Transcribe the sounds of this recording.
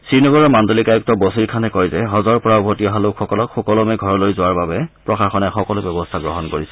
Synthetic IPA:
sɹinɔɡɔɹɔmandolikajuk̚tɔbosiɹkʰanɛkɔjzɛɦɔzɔɹpɔɹaʊbʱotiɔɦalokxɔkɔlɔkxɔkɔlɔmɛɡʱɔɹɔlojzʊwaɹbabɛpɹɔxaxɔnɛxɔkɔlʊbjɔbɔstʰaɡɹɔɦɔnkoɹisɛ̥

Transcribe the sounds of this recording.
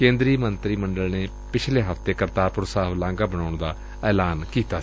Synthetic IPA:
kẽːnd̪ɾiːmənt̪ɾiːməɳɖəlneː | pɪt͡ʃʰleːɦəft̪eːkəɾt̪aːpʊɾsaːʋlãːŋɡaːbəɽaːɳd̪aː | ɛːlaːnkiːt̪aː

